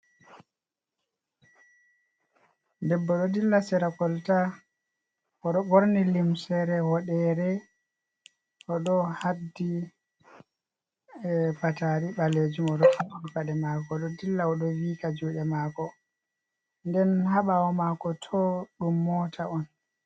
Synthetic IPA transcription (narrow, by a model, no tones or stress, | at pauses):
dɛbːɔɗɔdilːasɛɾakɔlta | ɔɗɔɓoɾnilimsɛɾɛhɔɗɛɾɛ | ʔɔɗɔhadːi | pataɾiɓaled͡ʒumɔɗɔhaɓuɾkaɗɛmaːkɔɗɔdilːaɔɗɔwiːkad͡ʒuːɗɛmaːkɔ | ndɛnhaɓaɔmakɔtʰɔɗumːɔtʰaɔn